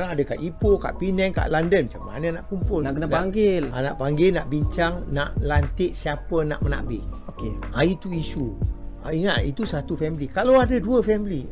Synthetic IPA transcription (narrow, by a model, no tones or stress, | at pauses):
ɾaŋadəka̰ʔipoka̰ʔpinɛŋka̰ʔlandənmat͡ʃama̰nənaʔkumpʊlakənaŋɡɪlana̰ʔpaŋɡɪlnaʔbiɲt͡ʃaŋnaʔlant̪ɪʔsiapəna̰ʔməna̰bɪhokeait̪uisuiŋaʔ̪ḭt̪usat̪ufɛmlikalawadəduəfɛmli